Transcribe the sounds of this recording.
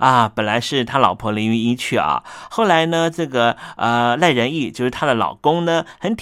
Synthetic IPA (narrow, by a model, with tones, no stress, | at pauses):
ɐ˧pə˨˩nla˧˥ɪʂɻ̩˥˩t̪ʰa˥lɑ˨˩ʊpʰɔ˧˥li˧˥y˧˥i˥t͡ɕʰy˥˩ɐ̰˧˩xo˥˩ʊla˧˥ɪnə˧ʈ͡ʂɤ˥˩ɡə˩ə˧la˥˩ɪɻə˧˥ni˥˩t͡ɕjo˥˧ʊʂɻ̩˥˩t̪ʰa˥d̪ə˨lɑ̰˨˩ʊkʊ˥ŋnə˧xə˧˥nt̪ʰ